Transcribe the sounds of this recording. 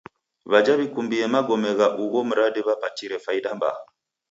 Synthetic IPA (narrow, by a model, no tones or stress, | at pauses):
βad͡ʒaβikumbiɛmaɡɔmɛɣaʔuɣɔm̩ɾaɗiβapatiɾɛfaiɗamba̰